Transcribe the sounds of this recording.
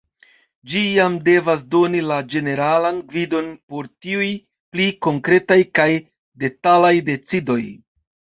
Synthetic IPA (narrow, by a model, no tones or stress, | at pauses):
d͡ʒijamde̞vas̬do̞nilad͡ʒe̞ne̞ɾalanɡvido̞npo̞ɾtiuj | pliko̞ŋkɾe̞tajkaj | de̞talajde̞t͡sido̞j